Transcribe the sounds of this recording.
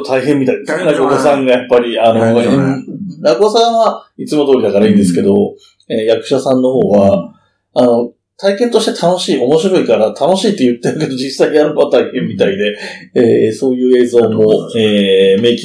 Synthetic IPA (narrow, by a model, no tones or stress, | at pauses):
t̪ʰaiɦẽ̞mːʲit̪aid̪esnakokosãŋɡajapːaɾʲiano̞ | naɡosãɰ̃βait͡sɨmo̞t̪o̞ːɾʲid̪akaɾaĩːnd̪esɨ̥ke̞d̪o̞ | eːjakɯ̟̥ɕasãnːo̞ho̞ːβa | ano̞ | t̪ʰaikẽ̞nt̪o̞ɕi̥t̪et̪ʰano̞ɕiːʔo̞mo̞ɕiɾo̞ikaɾat̪ʰano̞ɕiːt̪ːejɯt̪ːeɯked̪o̞ʑd͡ʑisːaiɲaɾɯbot̪aihẽ̞mʲːit̪aid̪e̞eːso̞ːjɯ̟ːe̞ːzo̞ːmo̞eːme̞ːkʲi